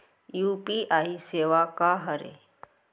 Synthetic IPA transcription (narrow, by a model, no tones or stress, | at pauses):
juːpiʔaːiseːʋakaɦəɾḛ